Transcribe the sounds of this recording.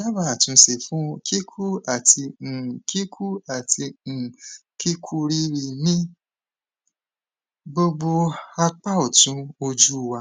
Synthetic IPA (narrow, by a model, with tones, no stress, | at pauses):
a˦ba˦˨a˨tũ˧˦se˨fũ˦kʰi˦kʰu˦a˦˨tĩ˧˨ki˦kʰu˦a˦˨tĩ˧˨ki˦kʰu˦ɾi˦ɾi˧nĩ˦ | bo˧ɡ͡bo˧a˧k͡pa˦o˨tũ˨˦o˧d͡ʒu˦˨wa˧